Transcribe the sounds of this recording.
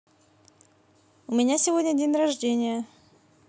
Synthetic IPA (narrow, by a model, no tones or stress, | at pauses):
ʊmʲɪnʲasʲɪvodʲnʲədʲenʲrɐʐdʲenʲɪjə